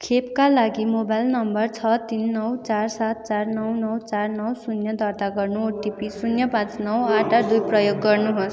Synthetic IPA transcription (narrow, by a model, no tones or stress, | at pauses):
kʰepkalaɡimobajlnʌmbʌrt͡sʰʌt̪inːʌwt͡sarsat̪̚t͡sarnʌwnʌwt͡sarnʌwsunjʌd̪ʱʌrt̪aɡʌrnuoʈipisunjʌpãt͡snʌwaʈad̪ujprʌjoɡːʌrnuɦos